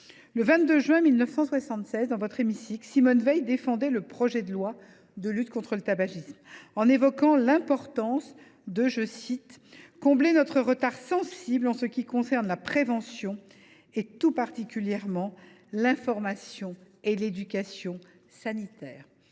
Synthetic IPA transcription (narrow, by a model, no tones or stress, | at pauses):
ləvɛ̃t̪̚d̪øʒɥɛ̃milnəfsɑ̃swasɑ̃t̪sɛzd̪ɑ̃vɔt̪χemisiksimɔnvɛjd̪efɑ̃d̪ɛləpχɔʒɛd̪əlwa | d̪əlyt̪kɔ̃t̪χələt̪abaʒismɑ̃nevɔkɑ̃lɛ̃pɔʁt̪ɑ̃s | d̪əʒəsit̪kɔ̃blenɔt̪χəʁət̪aʁsɑ̃siblɑ̃səkʲikɔ̃sɛʁnlapχevɑ̃sjɔ̃ | et̪upaʁt̪ikʲyljɛʁmɑ̃ | lɛ̃fɔʁmasjɔ̃ | eled̪ykʲasjɔ̃ | sanit̪ɛːʁ